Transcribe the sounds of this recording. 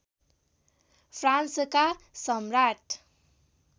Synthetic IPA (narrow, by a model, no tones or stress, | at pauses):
fʰɾansəkasʌmɾaʈ